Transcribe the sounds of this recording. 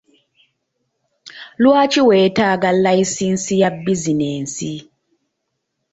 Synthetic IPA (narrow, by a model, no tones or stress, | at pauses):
luat͡ʃʰiwɛtʰak̬alajisinsijabizineːnsi